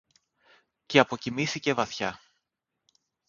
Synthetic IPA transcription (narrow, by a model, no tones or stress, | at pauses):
ceɐpo̞cimiθice̞vɐθçɐ